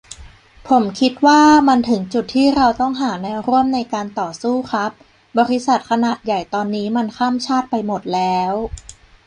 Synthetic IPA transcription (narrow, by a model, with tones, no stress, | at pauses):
pʰo˩˦mkʰi˦˥t̪̚waː˥˩ma˧nt̪ʰɯ˩˦ŋt͡ɕu˨˩t̪ʰːiː˥˩ɾa˧wt̪ɔ˥˩ŋɦaː˩˦nɛː˧wɾu˥˩əmna˧jkaː˧nt̪ɔː˨˩suː˥˩kʰa˦˥p̚ | bɔː˧ɾi˦˥sa˨˩t̪̚kʰa˧naː˨˩t̪̚ja˨˩jt̪ɔː˧nːiː˦˥ma˧nkʰaː˥˩mt͡ɕʰaː˥˩t̪̚pa˧jmo˨˩t̪̚lɛː˦˥w